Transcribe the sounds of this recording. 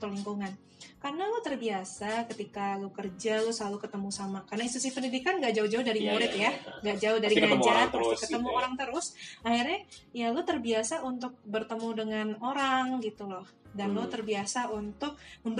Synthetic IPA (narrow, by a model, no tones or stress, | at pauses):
t̪əliŋkuŋan | karnalʊt̪ərbiasakət̪ikalukərd͡ʒalosəlalukət̪əmusamakarnait̪usipəndidikanɡaʔd͡ʒaʊhd͡ʒaʊhdaɾimoɾɛkjaŋɡaʔd͡ʒaʊhdaɾiŋad͡ʒakət̪əmuoɾaŋt̪əɾʊsahirɲajalot̪ərbiasaʔunt̪ʊk̚bərt̪əmudəŋanoɾaŋɡit̪ulɔh | danlot̪ərbiasaʔunt̪ʊk̚məmb